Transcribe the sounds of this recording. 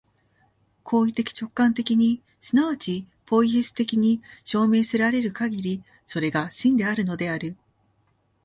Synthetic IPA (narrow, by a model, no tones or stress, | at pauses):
kʰo̞ːit̪e̞kʲi̥t͡ɕo̞kːãnt̪e̞kʲiɲ̟i | sɨnaβat͡ɕi | po̞içisɨ̥t̪e̞kʲiɲ̟iɕo̞ːme̞ːsɨɾaɾe̞ɾɯ̟kaɡʲiɾʲi | so̞ɾe̞ɡaɕĩnd̪e̞aɾɯ̟no̞d̪e̞aɾɯ̟